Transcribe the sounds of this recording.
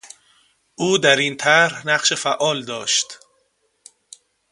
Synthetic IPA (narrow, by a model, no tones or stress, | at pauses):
ʔuːd̪æɾiːnt̪ʰæɾhnæɢʃe̞fæʔɒːld̪ɒːʃt̪